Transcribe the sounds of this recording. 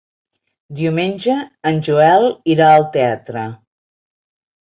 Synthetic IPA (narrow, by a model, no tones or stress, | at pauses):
d̪iumenʲd͡ʒəːnʲʒuɛlˠiɾaəlˠt̪eat̪ɾə